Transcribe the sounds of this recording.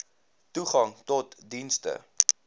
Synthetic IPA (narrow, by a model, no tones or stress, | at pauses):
tuχɐŋtɔtdinstə̰